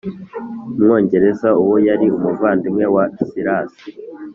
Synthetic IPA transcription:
umŋo̞ːɲɟe̞ɾe̞zauwojaɾiumuvaːndimŋe̞wasiɾaːsi̥

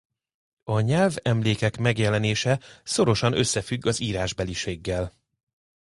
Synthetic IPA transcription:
ɒɲɛlvɛmleːkɛkmɛɡjɛlɛneːʃɛso̞ɾo̞ʃɒnø̞sːɛfyɡːɒziːɾaːʒbɛliʃeːɡːɛl

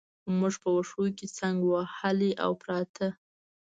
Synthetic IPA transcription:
muʐpəwaʂojket͡saŋɡwahəliʔa̰wpɾɑt̪ʰə

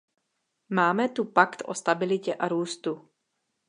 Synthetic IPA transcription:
maːmɛt̪upakt̪ʔost̪abɪlɪcɛʔaɾuːst̪u

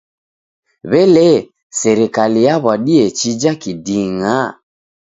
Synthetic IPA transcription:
βɛlɛ | sɛɾikalijaβwaɗiɛt͡ʃid͡ʒakidiŋa

